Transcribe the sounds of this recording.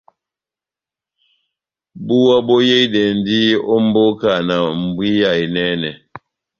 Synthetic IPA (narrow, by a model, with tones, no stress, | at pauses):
bu˦wa˦bɔ˦je˦i˦dɛ˨n˦di˦ɔ˦m̩˦bo˦ka˨na˨m̩˨bwi˦ja˨i˨nɛ˦nɛ˨